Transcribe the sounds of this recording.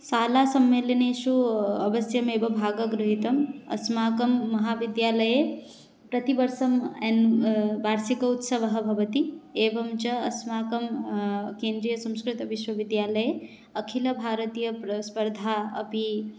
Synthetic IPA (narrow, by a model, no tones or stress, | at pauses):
saːlasɐmːeːlɐnesuɐbɐsjɐmeːbɐbʱaːɡɐɡɾuɦit̪ɐmɐ̰smaːkɐmːɐɦaʋid̪jaːlɐje | pɾɐt̪ibɐɾsɐmɛnbʱaːɾsikɐut̪sɐʋɐɦɐbʱɐʋɐt̪ieːbɐmt͡ʃɐɐsmaːkɐmkeːnd̪ɾijɐsɐ̃mskɾit̪ɐʋiʃwɐʋid̪jaːləje | ɐkʰilɐbʱaːɾət̪ijɐspɐɾd̪ʱaɐ̰pi